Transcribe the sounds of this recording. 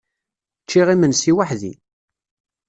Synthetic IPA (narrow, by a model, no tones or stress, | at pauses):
t͡ʃːiʁimənsiwaħðḭ